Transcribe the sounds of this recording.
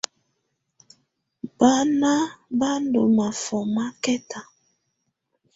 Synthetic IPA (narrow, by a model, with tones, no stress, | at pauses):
ba˦na˦ba˦ndo˨ma˨fɔ˨ma˦kɛ˦ta˨